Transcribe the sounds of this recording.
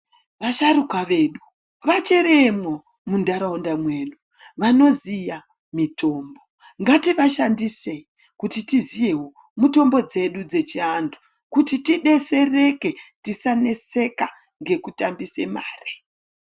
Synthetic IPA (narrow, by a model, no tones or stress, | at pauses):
ʋaʃaɾukaʋe̞ːɗu | ʋat͡ʃe̞ɾemo | mundaɾaundamwe̞ːɗu | ʋano̞zija | mito̞ːmbo̞ | ŋɡatiʋaʃandise̞i | kutitizije̞wo̞ | muto̞mbo̞d͡ze̞ɗud͡ze̞t͡ʃiantʰu̥ | kutitiɗe̞se̞re̞ke̞tisane̞se̞ka | ŋɡe̞kutambise̞ma̰ːre̥